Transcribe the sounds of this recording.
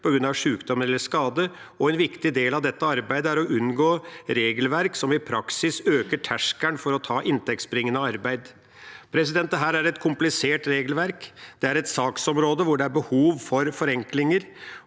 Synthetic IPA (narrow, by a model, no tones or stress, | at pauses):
pʰɔɡɾʉnːɑʋʂʉːkd̪ɔməɾɛlːəʂkɑːd̪ə | ɔɛnʋɪkt̪ɪd̪eːlɑʋd̪ɛt̪ːəɑɾbæɪd̪əæɾɔʔʉnɡoːɾeːɡəlʋæɾksɔmɪpʰɾɑksɪsøːkəʈʰæʂkæɳfɔɾɔt̪ʰɑːʔɪnt̪ʰɛk̚t̪sbɾɪŋːənəɑɾbæɪd̪ | pʰɾɛsɪd̪ɛnt̪ːəɦæːɾæɾɛt̪kʰʊmplɪseːʈɾeːɡəlʋæɾkd̪̥ɛæɾɛt̪sɑːksɔmɾoːd̪əʋʊɖɛæɾbəhuːʋfɔɾfɔɾɛŋklɪŋəɾ